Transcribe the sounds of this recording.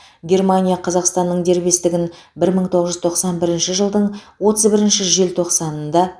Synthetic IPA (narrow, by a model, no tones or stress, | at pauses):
ɡʲe̞rmanʲijaqʰɑzɑqst̪ɑnːəɴd̪e̞ɾbe̞st̪ɪɡʲɪnbɪɾməɴt̪ʰo̞ʁəzʒʏzt̪ʰo̞qsɑnbɪɾɪnʃɪʒəlˠd̪əɴwo̞t̪əzbɪɾɪnʃɪʒe̞lt̪ʰo̞qsɑnənd̪ɑ